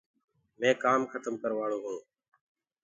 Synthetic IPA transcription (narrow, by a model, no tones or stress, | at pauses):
mẽːkaːmxət̪əmkəɾʋaːɽoːɦũː